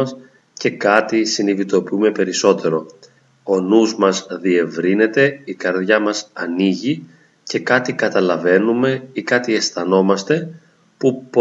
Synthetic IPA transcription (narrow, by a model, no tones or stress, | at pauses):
ɐs | ce̞kɐt̪isinivit̪o̞piume̞pe̞ɾiso̞t̪e̞ɾo̞ | o̞nuzmɐzðie̞vɾine̞t̪e̞ikɐɾðʝɐmɐsɐniʝi | ce̞kɐt̪ikɐt̪ɐlɐve̞nume̞ikɐt̪ie̞sθɐno̞mɐst̪e̞ | pup